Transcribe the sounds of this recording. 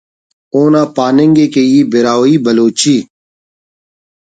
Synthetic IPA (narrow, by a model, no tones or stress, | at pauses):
oːnãːpaːnẽŋɡeːkeiːbɪɾaːwiːbɐloːt͡ɕiː